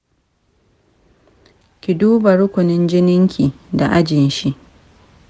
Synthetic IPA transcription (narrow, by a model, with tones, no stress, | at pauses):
kʲɪ˨duː˦bɐ˨ɽʊ˦kʷʊ˨nɪ˦nd͡ʒɪ˦nɪ˦ŋkʲʰiː˨da˨ʔa˦d͡ʒɪ˨nʃi˦ʔ